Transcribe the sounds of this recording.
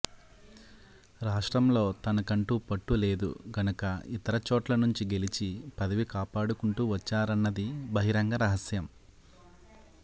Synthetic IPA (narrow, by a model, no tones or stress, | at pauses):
ɾaːʂʈɾɐmlo̞ːt̪ɐnɐkɐɳʈuːpɐʈːule̞ːd̪ṵɡʱɐnɐkɐit̪ɐɾɐt͡ʃɔːʈlɐnuɲt͡ʃiɡe̞lit͡ʃipɐd̪ɐʋikaːpaːɽukuɳʈuːʋɐt͡ʃːaːɾɐnːɐd̪ibʱɐɦiɾɐŋɡɐɾɐɦɐsjɐm